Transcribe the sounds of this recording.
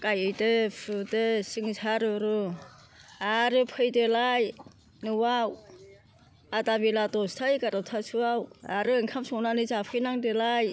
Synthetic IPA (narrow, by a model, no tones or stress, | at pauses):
kajɯjdɯpʰɯdɯsiŋsaɾɯɾu | aɾɯpʰɯjdelaj | nɯwaw | atabilatɔstʰajkaɾatʰasʰuawaɾɯeŋkʰamsɔwnanɯzapʰɯjnaŋdelaj